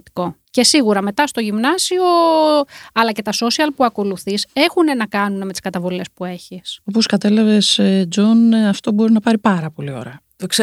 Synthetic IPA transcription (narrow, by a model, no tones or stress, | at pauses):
t̪i̥ko̞ | ce̞siɣuɾɐme̞t̪ɐst̪o̞ʝimnɐsio̞ | ɐlɐce̞t̪ɐso̞siɐlpuɐko̞luθise̞xune̞nɐkɐnuneme̞t̪i̥skɐt̪ɐvo̞le̞spue̞çiso̞po̞skɐt̪e̞lɐve̞sed͡zo̞nɐft̪o̞bo̞ɾinɐpɐɾipɐɾɐpo̞lio̞̰ɾɐ | ks